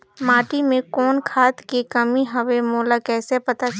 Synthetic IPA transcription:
maːʈimẽkɔːnkʰaːt̪kekəmiɦəʋemoːlakɛːsepɐt̪at͡ʃ

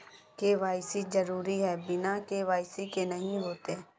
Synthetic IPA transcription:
keʋaːɪsizɐɾuːɾiɦɛːbɪnakeʋaːɪsikenɐɦĩɦoːt̪e

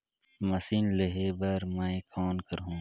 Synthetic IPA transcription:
mɐsiːnleɦeːbɐɾmɐ̃ẽkʰɔːnkəɾɦũː

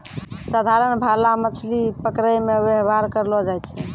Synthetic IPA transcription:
sad̪ʱaɾənbʱalamət͡ʃʰlipəkɾəjmebjeɦbaɾkəɾlɔd͡ʒajt̪̚t͡ʃʰɛ

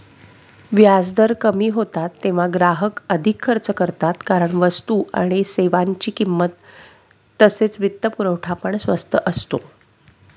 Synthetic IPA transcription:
ʋjad͡zd̪əɾkəmiːɦot̪at̪ːeʋ̤aɡɾaɦəkəd̪ʱikʰːəɾt͡səkəɾt̪at̪kaɾəɳʋəst̪uʔa̰ɽ̃iseʋaɲt͡ɕiːkimːət̪ː | əset͡sʋit̪ːəpuɾəʋʈʰapəɳsʋəst̪ʰəʔəst̪o

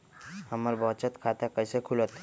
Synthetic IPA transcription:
həməɾbʱət͡ʃət̪kʰat̪akəjsekʰulət̪

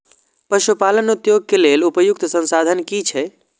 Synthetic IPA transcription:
pəʃupalənut̪joɡ̚kelelupəjuk̚t̪sə̃nsad̪ʱənkit͡ʃʰɛ

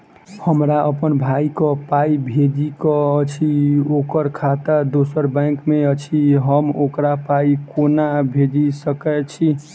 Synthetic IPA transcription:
həmɾaʔəpənbʱaikɔpaibʱed͡ʒikɔːt͡ʃʰiokəɾkʰat̪əɾd̪osəɾbãkmeət͡ʃʰiɦəmokɾapaikonabʱed͡ʒisəkɛt͡ʃʰi

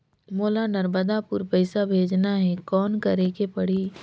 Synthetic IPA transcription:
moːlanɐɾməd̪apʊɾpɐɪsabʱeːd͡ʒnaɦɛkɔːnkɐɾekepɐɽ̤i

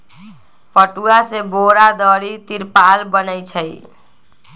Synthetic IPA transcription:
pəʈuaseboɾad̪əɾit̪iɾpalbənət͡ʃʰəj

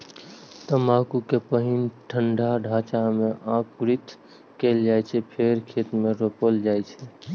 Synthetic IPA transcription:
t̪əmãkukepəɦinʈʰəɳɖʱaɖʱat͡ʃameʔãkɾit̪ | keld͡ʒajt͡ʃʰɛpʰeɾkʰet̪meɾopəld͡ʒajt͡ʃʰɛ

